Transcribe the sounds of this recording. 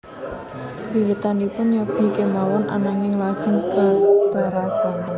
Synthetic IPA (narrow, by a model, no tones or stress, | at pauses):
wiwit̪anipʊnɲab̥i̤kemawɔna̰naŋɪŋlad̥ʒ̥ə̤nb̥ab̪̥a̤ɾasan